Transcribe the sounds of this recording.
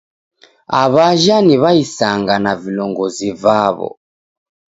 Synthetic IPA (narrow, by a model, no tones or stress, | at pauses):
a̰βaʒaniβaisaŋɡanavilɔŋɡɔzivaβɔ̰